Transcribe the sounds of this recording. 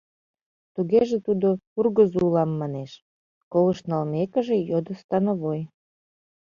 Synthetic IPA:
t̪uɣeʒet̪ud̪ourɣəzulɑmːɑneʃ | kolə̆ʃnɑlmekə̆ʒejod̪ə̆st̪ɑnoβoj

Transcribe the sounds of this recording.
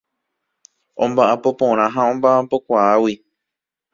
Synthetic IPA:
õmbaʔapo̞põ̞ɾ̃ãɦaõ̞mbaʔapo̞kʷaawi

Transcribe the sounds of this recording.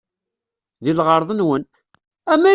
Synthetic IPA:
ðilʁəɾˤðˤənwən | æmæ

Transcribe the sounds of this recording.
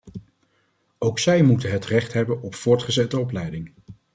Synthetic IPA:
owksɛjmutənɦətrɛχtɦɛbənɔpfʊːɹtχəzɛtəɔplɛjdɪŋ

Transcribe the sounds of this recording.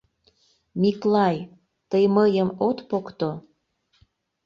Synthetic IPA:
miklɑj | t̪əjməjəmot̪pokt̪o

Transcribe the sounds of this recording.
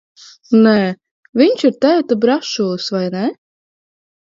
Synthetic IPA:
nɛ | vʲiɲʲʃiɾt̪æːt̪abɾaʃusvajnʲɛ

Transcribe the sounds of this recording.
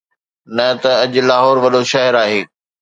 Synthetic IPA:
nɐt̪ɐɐʄʊ̆laːɦɔːɾʋɐɗoʃɐɦɪɾaːɦeː

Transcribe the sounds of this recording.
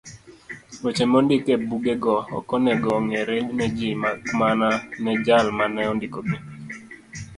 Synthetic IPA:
ot͡ʃemɔndɪkebuɡeɡɔɔ̰kɔnɛɡɔŋeɾenɛd͡ʒimamananɛd͡ʒalmanɛɔndɪkobe

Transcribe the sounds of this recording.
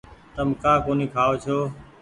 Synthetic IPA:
t̪əmkãːkoːniːkʰaːoːt͡ʃʰoː

